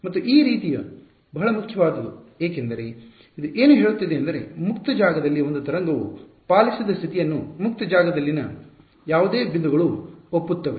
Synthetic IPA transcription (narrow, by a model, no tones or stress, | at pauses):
mɐt̪ːuʔiːɾiːt̪ijɐ | bɐɦɐɭɐmukʰjɐʋaːd̪ɐd̪ueːkend̪ɐɾe̞ | id̪uʔeːnuɦeːɭut̪ːid̪eːɐnd̪ɐɾe̞̰mukt̪ɐd͡ʒaːɡɐd̪ɐlːio̞nd̪ut̪ɐɾɐŋɡɐʋṵ | paːlisid̪ɐst̪ʰit̪ijɐnːumuk̚t̪ɐd͡ʒaːɡɐd̪ɐlːinɐ | jaːʋud̪eːbʱind̪uɡɐɭuopːut̪ːɐʋe